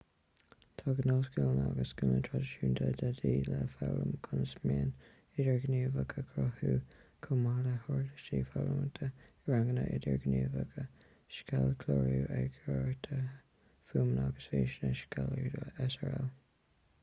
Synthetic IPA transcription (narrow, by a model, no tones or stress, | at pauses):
t̪ʰɑːɡənɔːsɡɪlnaɡəsɡ̥ʊnət̪ʰɹadəʃuːnt̪ʰəd̪ədiːləfawɾəmkʰʊnəsmeːn | ɪdəɹɡniːvəkʰəkʰɾɔhuːkʰʊmaləhɔɹdəʃiːfawɾəmət̪ʰə | ɹaŋɡənəʔɪd̪əɹɡənuːvəɡə | ʃkalkʰloːɹuʔɛɡoɹt̪ʰə | fuːmnaɡəsfeːʃnəʃkaldɛsəɹɛl